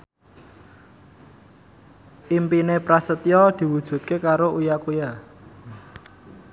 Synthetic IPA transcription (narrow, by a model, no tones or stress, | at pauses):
ʔimpinepɾasət̪jɔd̪̥i̤wud̥ʒ̥ṳt̪̚kekaɾoʔujakuja